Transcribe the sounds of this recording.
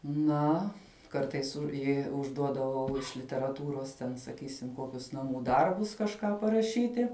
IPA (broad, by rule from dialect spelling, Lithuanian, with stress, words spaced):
ˈnɐ ˈkɐrtɐɪs ˈjɛɪ ʊʒˈduɔdɐʋɐʊ ɪʃ lʲɪtʲɛrɐˈtuːroːs tʲɛn sɐˈkʲiːsʲɪm ˈkoːkʲʊs nɐˈmuː ˈdɐrbʊs kɐʃˈkɑː pɐrɐˈʃʲiːtʲɪ